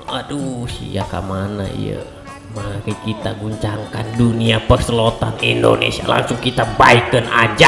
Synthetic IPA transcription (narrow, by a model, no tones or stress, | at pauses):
adusḭjaka̰manaḭjə̰ | manakikit̪aɡuɲt͡ʃaŋkanduniapərsəlot̪anindo̰nḛsia̰la̰ŋsʊŋkit̪abaikənad͡ʒa